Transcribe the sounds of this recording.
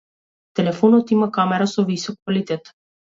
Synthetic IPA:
t̪ɛlɛfɔnɔt̪imakamɛɾasɔvisɔk̚ːvalit̪ɛt̪

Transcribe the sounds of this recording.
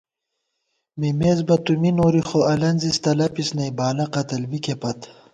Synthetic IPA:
mimezbɐt̪uminoːɾixoʔɐlɐnzist̪ɐlɐpisnɐjbaːlɐqɐt̪ɐlbikepɐt̪

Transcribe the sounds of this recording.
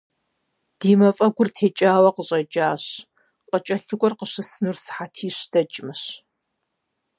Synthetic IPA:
d̥iːmɐfʼɐɡʷʊrtʰeːt͡ʃʼaːwɐqəɕʼɐd͡ʒʼaːɕ | qʷʼət͡ʃʼɐɬɨɡʷʼɔrqəɕɨsɨnursħatʰiːɕdɐt͡ʃʼɪmɨɕ

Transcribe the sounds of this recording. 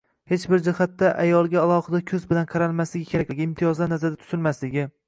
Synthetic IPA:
he̞t͡ʃbɪɾd͡ʒɪhat̪ːaʔajɒlˠɡʲaːlˠɒhɨd̪akʲʰɵzbɪlanqʰɑɾalmaslɪɡʲɪkʲʰeakʲlɪɡʲɪɪmt̪ʰijɒzlaɾnazaɾd̪at̪ʰʊ̥z̥ɪlmaslɪɡʲɪ

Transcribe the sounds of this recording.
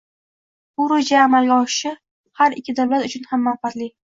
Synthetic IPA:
bʊɾod͡ʒaːmalɡʲaɒʃɪ̥ʃɪ | haɾɪkʲʰːɪd̪awlat̪ʊt͡ʃʰʊnhamːanfat̪lɪ

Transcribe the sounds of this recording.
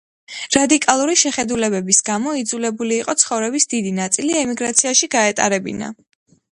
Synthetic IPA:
ɾad̪ikʼalˠuɾiʃɛχɛd̪ulɛbɛbisɡ̥amɔid̪zulɛbuliːqʼɔt̪sʰχɔvɾɛbisd̪id̪inat̪sʼiliɛmiɡɾat̪sʰiaʃiɡaɛt̪ʼa̰ɾɛbḭna̰

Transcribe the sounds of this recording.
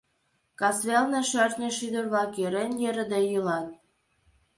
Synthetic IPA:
kɑsβelneʃørt̪nʲĕʃyd̪ərβlɑkjøɾenjeɾə̆d̪ejylɑt̪̚

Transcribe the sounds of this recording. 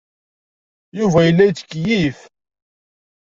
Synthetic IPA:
juvæjəlːæjt͡sːəkːjif

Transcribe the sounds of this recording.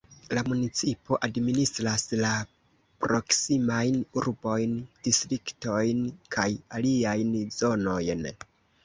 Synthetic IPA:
lamunit͡sipo̞ʔadministɾasla | pɾo̞ksimajnuɾbo̞jnd̥istɾikto̞jnkʰajaliajnzo̞no̞jn

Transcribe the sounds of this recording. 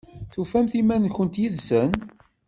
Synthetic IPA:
θufæmθimænçənt̪jiðsən

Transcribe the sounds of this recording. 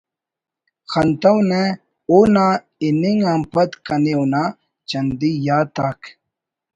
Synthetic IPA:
xʰɐnt̪ɐwne | ona | iniŋampɐt̪kɐnewna | t͡ɕɐnd̪ijaːt̪aːk

